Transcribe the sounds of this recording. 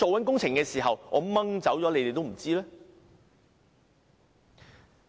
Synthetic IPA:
o˨wɐ˨˥nkʊ˥ŋt͡sʰɪ˨˩ŋkɛː˧siː˨˩ɦɐ˨wŋʔɔ̰˨˧˥mɐ˥ŋt͡sɐ˨˥wt͡ʃɔː˨˥le˨˧jt̪e˨jt̪o˥wm̩˨˩t͡siː˥lɛː˥

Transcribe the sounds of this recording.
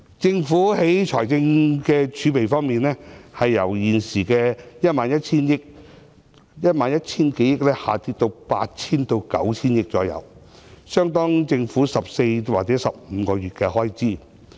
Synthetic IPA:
t͡sɪ˧ŋfuː˨˥he˨˥jt͡ʃʰɔː˨˩jt͡sɪ˧ŋkɛː˧t͡ʃʰyː˨˥pe˨jfɔː˥ŋmiː˨nɛː˥hɐ˨jːɐ˨˩wjiː˨˩nsiː˨˩kɛː˧jɐ˥t̚maː˨njɐ˥t̚t͡sʰiː˥njɪ˥k̚ | jɐ˥t̚maː˨njɐ˥t̚t͡sʰiː˥nke˨˥jɪ˥k̚lɛː˥ha̰ː˨t̪iː˧˥t̚t̪o˧wpa̰ː˧t̚t͡sʰiː˥nt̪o˧wkɐ̰˨˥wt͡sʰiː˥njɪ˥k̚t͡sɔː˨˧jɐ̰˨˧w | sœː˥ŋt̪ɔː˥ŋt͡sɪ˧ŋfuː˨˥sɐ˨p̚se˧jwaː˨k̚t͡sɛː˨˥sɐ˨p̚m̩ː˨˧kɔː˧ɥyː˨t̚kɛː˧ɦɔː˥jt͡siː˥

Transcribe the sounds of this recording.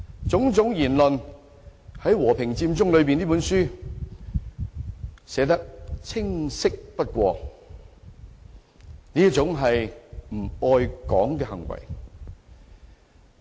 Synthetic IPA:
t͡sʊ˨˥ŋt͡sʊ˨˥ŋjiː˨˩nlɵ˨n | hɐ˨˥jwɔː˨˩pʰɪ˨ŋt͡siː˧mt͡sʊ˥ŋlɵ˨˧ɥp̬iː˨nliː˥pu˨˥nsyː˥ | sɛː˨˥t̪̬ɐ˥k̚t͡sʰɪ˥ŋsɪ˥k̚pɐ˥t̚kʷɔː˧ | niː˥jɐ˥t͡sʊ˨˥ŋɦɐ˨jm̩˨˩ɔː˧jkɔː˨˥ŋkɛː˧hɐ̰˨˩ŋwɐ̰˨˩j

